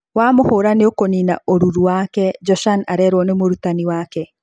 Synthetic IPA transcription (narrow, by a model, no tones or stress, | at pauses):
waːmohoːɾaneokonina̰ʔoɾuɾuwakɛd͡ʒɔʃanaɾɛːɾwɔnemoɾutaniwaːkɛ